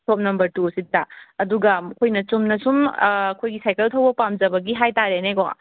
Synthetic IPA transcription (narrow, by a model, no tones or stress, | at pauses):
sʰop̚nɐmbɐɾtusitːaɐduɡɐkʰojnɐt͡ʃumnɐsumːkʰojɡisajkeltʰɐwbɐpamd͡ʒɐbɐɡiɦajtaɾeneko̰